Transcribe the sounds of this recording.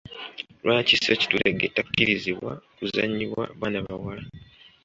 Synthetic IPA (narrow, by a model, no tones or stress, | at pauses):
lwaːciseci̥tuɾeɡetːakːiɾiziβwa̰kuza̰ɲːiβwa̰βanaβawala